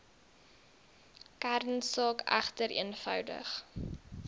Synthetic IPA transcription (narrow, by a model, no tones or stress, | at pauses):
kærnsɑːkæ̰χtəɾḭənfœ̰wdə̰χ